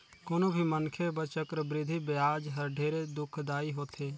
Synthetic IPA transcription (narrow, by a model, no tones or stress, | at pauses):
koːnobʱimənkʰebət͡ʃəkɾəbɾɪd̪ʱibɪjaːd͡ʒɦəɾɖʱeːɾed̪ʊkʰd̪aːiɦoːt̪ʰeː